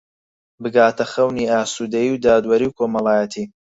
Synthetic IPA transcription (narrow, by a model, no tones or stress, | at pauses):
bɨɡaːt̪ʰɐxɐwniːaːsuːd̪ɐjiwd̪aːd̪wɐɾiwkʰoːmɐlˠaːjɛt̪ʰiː